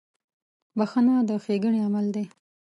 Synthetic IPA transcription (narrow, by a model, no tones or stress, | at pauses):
baxanad̪əxeɡəɳiamald̪e